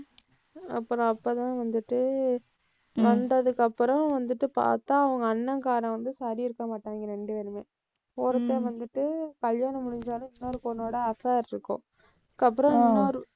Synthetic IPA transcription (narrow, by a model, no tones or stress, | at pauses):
ɐpːɯɾɔ̃ɐpːɐt̪ãːʋɐnd̪ɯʈːɯ | ʋɐnd̪ɐðɯkːɐpːɯɾɐ̃ʋɐnd̪ɯʈːɯpa̰ːɾt̪ːãːɐʋɐŋɡɐːnːɐŋkaːɾɐ̃ʋɐnd̪ɯsaːɾiɪɾɯkːɐmaːʈːaːŋɡɐɾɛɳɖɯʋɛɾɯmeː | oːɾɯt̪ːeʋɐnd̪ɯʈːɯkɐljaːnɐmʊɽɪɲd͡ʒaːlʊ̃ɪnːoːɾɯkonːoːɽɐɐfaːɾɪɾɯkːʊ̰̃ | kːɐpːɯɾɐ̃ɪnːoːɾɯ